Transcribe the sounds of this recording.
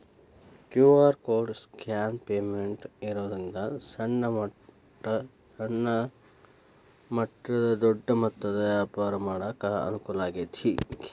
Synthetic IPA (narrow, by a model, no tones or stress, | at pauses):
kjuːʋaːɾkoːɖskaːnpeːmeɳʈiɾoːd̪ind̪ɐsɐnːɐmɐ | ɐ | sɐɳːɐ | mɐʈɾɐd̪ɐd̪ɔɖːɐmɐt̪ːɐd̪ɐjaːpɐɾɐmaːɽaːkaːɐ̰nukulaːɡet̪ʰiːk